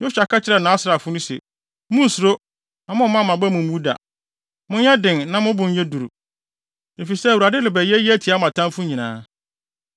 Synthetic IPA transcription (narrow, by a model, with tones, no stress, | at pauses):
ɲʊ˦ɕᶣa˨kʰa˦t͡ɕʰɪ˦ɾɛ˨nã˨˦sɾa˨fʊ˦nʊ̃˦sɛ̰˨ | mʊ̃˦˨sʊ˨ɾo˦ | ã˨mʊ̃˦mã˦˨mã˨bɛ˦mʊ̃˨mmũ˦da̰˨ | mʊ̃˦n˦ɛ˦dɪ̃˨nnã˦mʊ̃˦bʊ̃˨ɲ̩˦ɲɛ˦du˨ɾu˨ | e˨fi˨sɛ˦˨wu˨a˨dɪ˦lɪ˨bɛ˨jɛ˦ji˦æ˦tʰi˨a˦mã˨tʰã˦mfʊ˦ɲĩ˨nã̰ː˦